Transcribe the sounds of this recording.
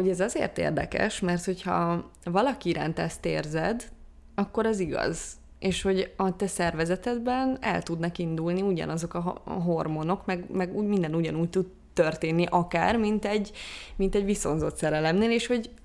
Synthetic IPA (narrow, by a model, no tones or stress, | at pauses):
oɟɛzɒzḛːrt̪ḛːrd̪ɛ̰kɛ̰ʃmɛrt̪ho̞chɒ̰ | vɒlɒkiiɾa̰ːnt̪ɛst̪ḛːrzɛd̪ | ɒkːo̞ɾɛziɡɒ̰z | eːʃho̞ɟɒt̪ɛsɛrvɛzɛt̪ɛd̪bɛnɛ̰lt̪ud̪nɒkind̪ulniuɟɒ̰nɒzo̞kɒɦo̞rmo̞no̞kmɛɡmɛɡuɟmind̪ɛnuɟɒnuːc̚t̪ud̪ | t̪ːørt̪eːnːiʔɒka̰ːrmint̪ɛɟːmint̪ɛɟʋiso̞nzo̞t̪sɛɾɛlɛmneːleːʃho̞ɟ